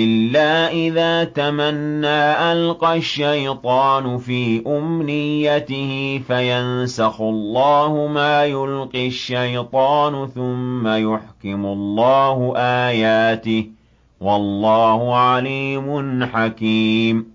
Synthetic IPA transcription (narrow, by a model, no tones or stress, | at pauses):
ʔɪlːaːʔɪðaːt̪amanːaːʔalqɑʃːajt̪ˤɑːnʊfiːʔʊmnɪjːat̪ɪhɪfajansɑxʊlˤːɑːhʊmaːjʊlqiʃːajt̪ˤɑːnʊθʊmːajʊħkɪmʊlˤːɑːhʊʔaːjaːt̪ɪh | wɑlˤːɑːhʊʕaliːmʊnħakiːm